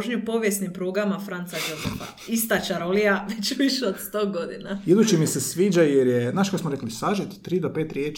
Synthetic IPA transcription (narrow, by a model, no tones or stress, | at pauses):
ʒɲupo̞ʋjesnimpɾuːɡamafɾant̪sad͡ʒo̞zefa̰ | ist̪at͡ʃaɾolijaʋet͡ɕʋiʃeod̪st̪o̞ːɡo̞d̪ḭnajed̪ut͡ʃimisesʋiːd͡ʒajeɾjenaʃkasmoɾeklisaʒit̪t̪ːɾiːd̪opeːt̪ɾjeːt͡ʃ